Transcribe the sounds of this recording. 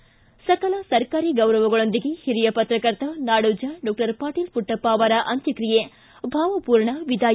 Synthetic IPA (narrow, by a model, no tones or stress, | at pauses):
sɐkɐlɐsɐɾkaːɾiːɡɐwɾɐʋuɡɐɭond̪iɡehiɾijɐpɐt̪ɾɐkɐɾt̪ʰɐnaːɽuːd͡ʒɐɖɔːk̚ʈɐɾpaːʈiːlpuʈːɐpːaːʋaːɾɐʔɐnt̪jɐkɾije | bʱaːʋɐpuːɾɳɐʋid̪ʱaː